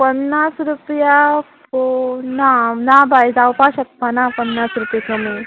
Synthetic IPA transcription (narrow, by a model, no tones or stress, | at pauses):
pənːasɾupjaponanabajd͡zawpaɕək̚panapənːasɾupjekʰomi